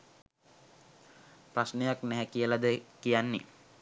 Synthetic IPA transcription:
prasnejaknæɦɛkijəlad̪əkijanːe

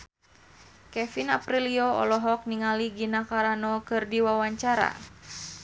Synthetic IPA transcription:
kɛfinapɾiliɔɔ̰lɔɦɔk̚niŋaliɡinakaɾanɔkɨrdiwawaɲt͡ʃaɾa̰

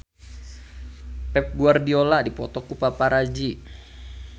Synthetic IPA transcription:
pɛp̚ɡuardioladipɔt̪ɔkupapaɾad͡ʒi

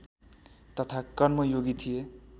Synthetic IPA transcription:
t̪ʌt̪ʰakʌrmʌjoɡit̪ʰije

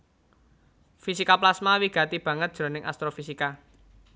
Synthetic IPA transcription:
fisikaplasmawiɡ̥ä̤t̪ib̥ä̤ŋət̪̚d̥ʒ̥ɾo̤nɪŋʔa̰st̪ɾofisika

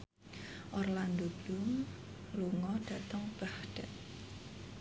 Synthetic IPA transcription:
ʔɔrland̪ob̥lum | luŋɔɖ̥ä̤t̪əŋb̥ahɖ̥ɛt̪̚

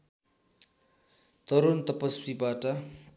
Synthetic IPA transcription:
t̪ʌɾont̪ʌpʌsibaʈʌ

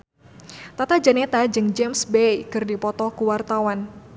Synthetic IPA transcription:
t̪at̪ad͡ʒənet̪ad͡ʒɨŋd͡ʒɛmsbejkɨrdipɔt̪ɔkuwart̪awan

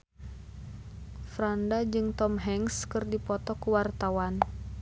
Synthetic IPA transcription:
fɾandad͡ʒɨŋt̪ɔmɦɛŋskɨrdipɔt̪ɔkuwart̪awan

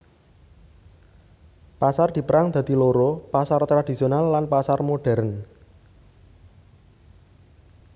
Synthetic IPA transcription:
pasard̪̥i̤pəɾaŋd̪̥ä̤d̪̥i̤loɾopasart̪ɾad̥isionalːanpasarmoɖ̥ɛɾn

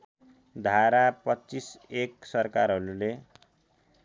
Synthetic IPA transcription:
d̪ʱaɾapʌt͡siseksʌrkaɾɦʌɾule

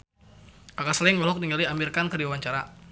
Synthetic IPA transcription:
kakasəlɪŋmɔlɔk̚diŋaliamirkankədiwawaɲt͡ʃaɾa

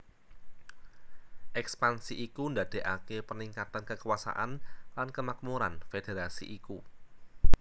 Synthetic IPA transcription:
ʔɛkspansiʔikundad̪̥e̤ʔakepərniŋkat̪ankəkwasa̰ʔanlankəmak̚muɾanfed̥eɾasḭʔiku

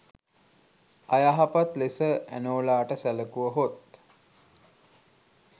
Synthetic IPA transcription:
ajaɦapat̪lesəæ̰noːlaːʈəsæləkuʋəɦot̪

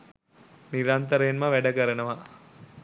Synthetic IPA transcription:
niɾant̪əɾəenməʋæɖəkəɾənəʋa

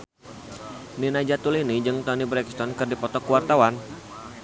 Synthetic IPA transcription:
ninad͡ʒat̪ulinid͡ʒɨŋt̪ɔnibɾɛkst̪ɔnkɨrdipɔt̪ɔkuwart̪awan

